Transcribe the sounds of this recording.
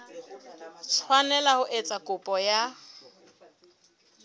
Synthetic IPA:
t͡sʰwanɛlahʊʔet͡sʼakʼʊpʼɔja

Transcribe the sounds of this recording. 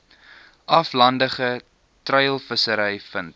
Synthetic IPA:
ʔɐflɐndəχə | trəjlˠfəsəɾɛjfənt̚

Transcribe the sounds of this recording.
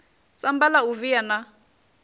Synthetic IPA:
sambalauvijana

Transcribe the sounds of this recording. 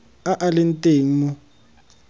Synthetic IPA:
aʔalɛntʼeːŋ̩mu

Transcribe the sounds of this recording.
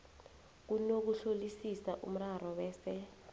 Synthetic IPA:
k̬unok̬uɬolisisaʔṵm̩raɾɔwɛːsɛ

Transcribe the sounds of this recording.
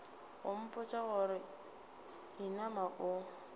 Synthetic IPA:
ɣʊm̩pʼʊt͡ʃʼaɣʊɾɪ | inamaʔʊ

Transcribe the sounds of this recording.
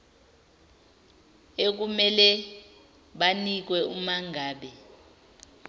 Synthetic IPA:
ek̬umɛlɛ | ɓanik̬wɛumaŋʱaːɓɛ

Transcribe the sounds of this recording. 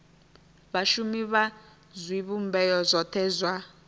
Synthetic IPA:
βaʃumiβa | zwiβumbɛjɔzʷɔtʰɛːzwa

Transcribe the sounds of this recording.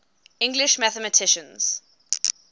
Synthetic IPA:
ɪ̃ŋɡlɪʃmæθəmətʰɪʃə̃nz̥

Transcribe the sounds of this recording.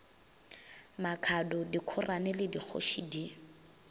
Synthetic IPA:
makʰadʊdikʰʊranɛlɪdik͡xʰo̰ʃidi

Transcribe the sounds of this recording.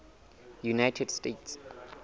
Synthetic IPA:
junaɪtʰɛdstets

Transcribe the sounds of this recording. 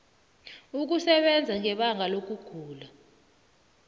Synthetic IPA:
uk̬usɛɓɛnd͡zʱaŋɛɓaŋʱalok̬uɡ̥ʱuːla

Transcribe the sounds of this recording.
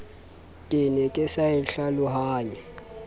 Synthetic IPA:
kʼɪnɛkʼɪsaɛɬalʊhaːɲɛ

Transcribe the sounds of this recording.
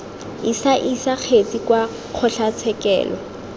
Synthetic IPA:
isaʔisak͡xʰet͡sʼikwa | q͡χʰɔɬat͡sʰɛkɛ̰ːlɔ̰

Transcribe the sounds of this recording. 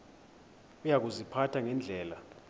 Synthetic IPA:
ujak̬uzipʰatʰaŋɛnd͡ɮʱɛːla

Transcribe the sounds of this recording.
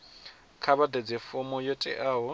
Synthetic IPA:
kʰaβadɛd͡zɛfʊmɔjɔtʼɛ̰ʔaːɦɔ

